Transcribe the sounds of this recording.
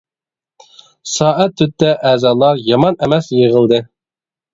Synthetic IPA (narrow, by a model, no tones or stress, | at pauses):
sɑːʔæt̪ʰːyt̪ːɛʔæːzɑːlˠɑɾjɑmɑnɛmɛsjəʁəlˠd̪ɨ